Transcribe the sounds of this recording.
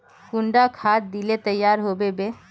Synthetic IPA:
kʊ̃ɳɖakʰaːt̪̚d̪ilet̪əjːaːɾɦobebe

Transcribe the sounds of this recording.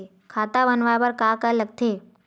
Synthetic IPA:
kʰaːt̪abənʋaːbəɾkaːkələɡ̚t̪ʰeː

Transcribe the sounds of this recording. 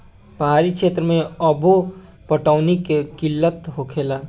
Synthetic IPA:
pəɦaɾikʃʰet̪ɾəmẽəbu | pəʈaʊnikekilːət̪ɦokʰela

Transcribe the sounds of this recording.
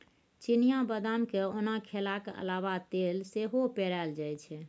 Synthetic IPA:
t͡ʃinijabəd̪amkeonakʰelakə̰laβat̪elseɦopeɾald͡ʒajt͡ʃʰɛ

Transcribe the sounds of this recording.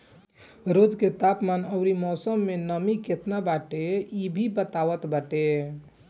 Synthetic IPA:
ɾod͡ʒket̪apmanəʊɾimɔsəmːenəmiket̪nabaʈeibʱibət̪aʋət̪baʈe

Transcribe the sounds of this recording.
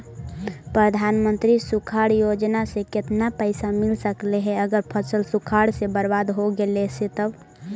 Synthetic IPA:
pɾəd̪ʱanmənt̪ɾisukʰaɽjod͡ʒnaseket̪napəɪsamilsəkleɦɛəɡəɾpʰəsəlsukʰaɽsebəɾbad̪ɦoɡeleset̪əb

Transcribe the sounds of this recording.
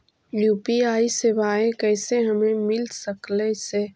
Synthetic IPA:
juːpiaːisebaːẽkɛːseɦɐmẽmɪlsəklese

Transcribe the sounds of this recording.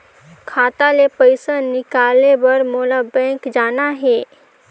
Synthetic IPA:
kʰaːt̪alepəɪsanɪkaːlebɐɾmoːlabɛ̃ːŋkd͡ʒaːnaɦɛː

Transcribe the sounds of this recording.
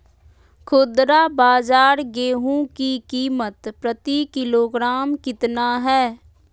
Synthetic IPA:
kʰoːd̪ɾabaːd͡ʒaːɾɡeːɦũkikiːmət̪pɾət̪ikɪloːɡɾaːmkɪt̪naɦɛː

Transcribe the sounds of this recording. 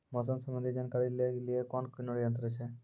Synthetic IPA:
mɔs̬ɔmsɔmand̪id͡ʒankaɾileɡliekɔnkunoɽiɔnt̪ɾet͡ʃʰe

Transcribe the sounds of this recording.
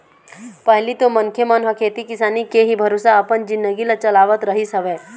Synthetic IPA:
pəɦlit̪omɐnkʰjemənɦəkʰeːt̪ikɪsaːnikeɦibʱɐɾoːsaɐpənd͡ʒɪnd̪əɡilət͡ʃɐlaːʋət̪ɾəɦisɐʋeː

